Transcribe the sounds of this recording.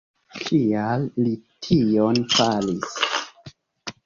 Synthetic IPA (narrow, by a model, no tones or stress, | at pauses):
kʰialːitʰionfalis